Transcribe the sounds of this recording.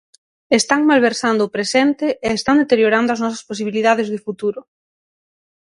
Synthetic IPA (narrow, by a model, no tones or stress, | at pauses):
est̪aŋmalβ̞eɾsand̪ʊːpɾesɛnt̪ɪːst̪and̪et̪eɾjoɾand̪ʊɐznɔsɐspos̬iβ̞iliðaðɪzðɪfut̪uɾʊ